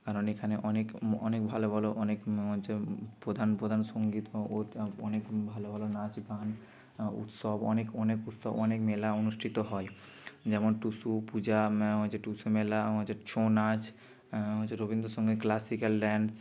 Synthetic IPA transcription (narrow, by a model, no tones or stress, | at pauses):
kaɾonekʰaneʔɔnekɔ̰nek̚bʱalobʱaloʔɔnekɦojt͡ɕʰepɾod̪ʱanpɾod̪ʱansoŋɡit̪oɔnekbʱalobʱalonad͡ʑɡan | ṵt̪sɔbɔ̰nekɔnekut̪sɔbɔnekmelaonuʃʈʰit̪oɦɔe | d͡ʑɛmonʈusupud͡ʑaɦojt͡ɕeʈusumelaɦot͡ɕet͡ɕʰonad͡ʑ | ɦot͡ɕʰeɾobind̪ʱosoŋɡiklasikalɖɛɳɖs